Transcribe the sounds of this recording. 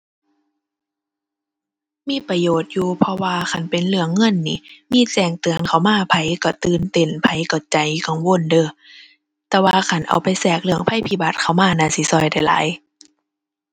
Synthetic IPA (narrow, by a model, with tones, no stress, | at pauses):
miː˧˥˨pa˧joː˨˩t̪̚juː˧pʰɔ˧waː˧kʰa˧˩npe˨nlɯ˧əŋːɤ˧˥˨nːḭː˧˦miː˧˥˨t͡ɕɛː˧˩ŋt̪ɯ˨ənkʰa˧˩wmaː˧˨pʰa˧˦jkɔ˧˩t̪ɯː˧˨nt̪e˧˩˨npʰa˧˦jkɔ˧˩t͡ɕa˨˦jka˧˩ŋwo˧˨ndɤː˧˩ | t̪ɛː˧waː˧kʰa˧˩nʔa̰˨˩wpa˨jsɛː˧˩k̚lɯ˧˨əŋpʰa˧˥˨jpʰi˧˩ba˧˦t̪̚kʰa˧˩wmaː˧˥˨naː˧˨si˧˦sɔ˧˩˨jda˧˩jla̰ː˨˦j